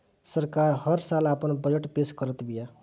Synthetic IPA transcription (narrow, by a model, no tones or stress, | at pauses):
səɾkaɾhəɾsalapənbəd͡ʒeʈpeskəɾət̪bija